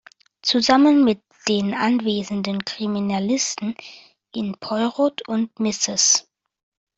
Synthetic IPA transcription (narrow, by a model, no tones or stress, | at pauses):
t͡suzamənmɪt̚ | d̥eːnʔa̰nveːzən̩dənkʁ̥iminalɪstn̩ | ʔɪnpʰɔʏʁotʊntmɪsɪs